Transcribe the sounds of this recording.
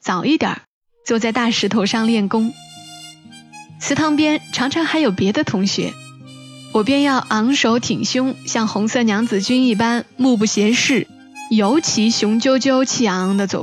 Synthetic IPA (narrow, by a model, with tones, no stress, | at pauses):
t͡sɑ˨˩ʊi˥˩t̪jɑ̰˨˩˦ | t͡swɔ˥˧t͡sa˥˧ɪt̪a˥˩ʂɻ̩˧˥t̪ʰo˨˩ʊʂɑ˥˧ŋljɛ˥˩nkʊ˥ŋ | t͡sʰɹ̩˧˥t̪ʰɑ˧˥ŋpjɛ˥nʈ͡ʂʰɑ˧˥ŋʈ͡ʂʰɑ˧˥ŋxa˧˥ɪjo˨˩ʊpjɛ˧˥d̪ə˧t̪ʰʊ˧˥ŋɕɥɛ̰˧˥ | wɔ˨˩pjɛ˥˧njɑ˥˩ʊʔɑ˧˥ŋʂo˧˥ʊt̪ʰi˨˩ŋɕjʊ˥ŋɕjɑ˥˩ŋxʊ˧˥ŋsɤ˥˩njɑ˧˥ŋt͡sɹ̩˨˩t͡ɕy˥ni˥˩pa˥nmu˥˧p̬u˥˩ɕjɛ˧˥ʂɻ̩˥˩ | jo˧˥ʊt͡ɕʰi˧˥ɕjʊ˧˥ŋt͡ɕjo˥ʊt͡ɕjo˥ʊt͡ɕʰi˥˩ɑ˧˥ŋd̪ə˧t͡swɔ̰˨˩